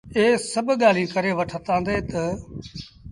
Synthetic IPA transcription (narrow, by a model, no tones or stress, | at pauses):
eːsɐbʱɠaːl̤ĩkɐɾeʋɐʈʰət̪ãːnd̪eːt̪ɐ